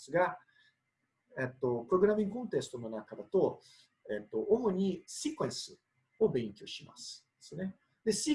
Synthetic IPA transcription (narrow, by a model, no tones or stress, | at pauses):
sɨɡa | et̪ːo̞pɯ̟ɾo̞ɡɯ̟ɾamʲĩŋɡɯkõ̞nt̪e̞sɨ̥t̪o̞no̞nakad̪at̪o̞ | et̪ːo̞ʔomo̞ɲ̟isikɯẽ̞ɰ̃sɨ | o̞bẽ̞ŋkʲo̞ɕima̰sɨ̥d̪̥esɨne̞ | d̪e̞si